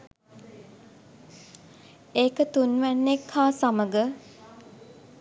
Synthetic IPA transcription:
eːkət̪unʋænːekʰhaːsaməɡə

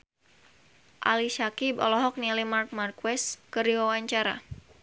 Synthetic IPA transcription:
ʔa̰lisakibɔ̰lɔɦɔk̚nialimark̚markwɛskəɾiwawaɲt͡ʃaɾa̰

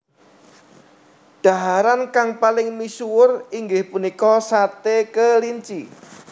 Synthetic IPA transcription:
ɖ̥a̤ɦaɾankaŋpalɪŋmisuwʊriŋɡɪhpunikɔsat̪ekəliɲt͡ʃi

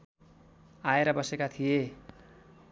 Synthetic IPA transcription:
aeɾʌbʌsekat̪ʰije

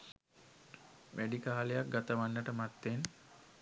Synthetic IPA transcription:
mʔeɖikaːlejak̚ɡat̪əʋanːəʈəmat̪ːen

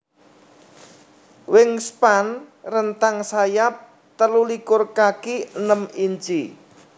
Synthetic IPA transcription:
wɪŋspanrənt̪aŋsajap̚ | t̪əlulikʊrkakinəmiɲt͡ʃi

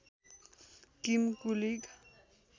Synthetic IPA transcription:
kimkuliɡ

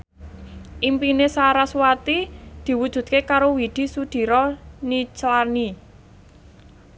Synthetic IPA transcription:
ʔimpinesaɾaswat̪id̪̥i̤wud̥ʒ̥ṳd̪̚kekaɾowid̪̥i̤sud̪̥i̤ɾɔnit͡ʃlani

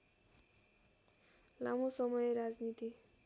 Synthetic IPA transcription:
lamosʌmʌjeɾad͡znit̪i

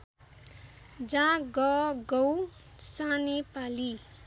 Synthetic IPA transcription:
d͡zãɡʌɡʌw | sanepali

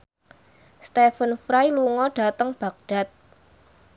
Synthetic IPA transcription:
st̪efənfɾajluŋɔɖ̥a̤t̪əŋb̥a̤k̚d̥a̤t̪̚

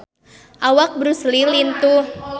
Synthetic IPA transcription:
ʔawak̚bɾuslilint̪uh

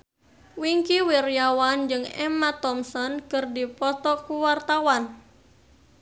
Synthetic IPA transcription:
wiŋkiwirjawand͡ʒɨŋɛ̰mat̪ɔmsɔnkɨrdipɔt̪ɔkuwart̪awan

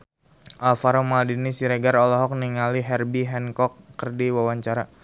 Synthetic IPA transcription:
ʔalfaɾomaldinisiɾeɡaɾɔlɔɦɔk̚niŋaliɦɛrbiɦɛnkɔkːərdiwawaɲt͡ʃaɾa

